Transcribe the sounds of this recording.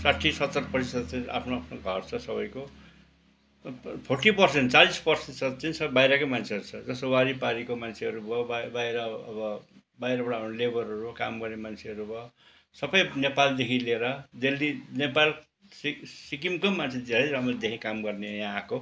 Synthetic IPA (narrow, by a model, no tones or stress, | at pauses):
saʈʰːisʌt̪ːʌrpʌrt̪isʌd̪t͡sʌ̃a̰pʰnoapʰnoɡʱʌrt͡sʰʌsʌβʌjko | pʰorʈipʌrsenʈt͡salispʌrsesʌd̪t͡sʌĩsʌbajɾʌkomant͡sʰeʌɾut͡sʰʌd͡zʌsowaɾipaɾikomant͡sʰeʌɾubʱʌbabajɾʌʌbʌ | bajɾʌbʌɽaːpʰnolebʌrʌɾubʌka̰mɡʌrnemant͡sʰeʌɾubʱʌ | sʌpʌjnepald̪ekʰileɾʌd̪elːinepal | ssikimkomant͡sʰed̪eɾʌjɾamʌd̪ekʰĩkamɡʌrnejãːko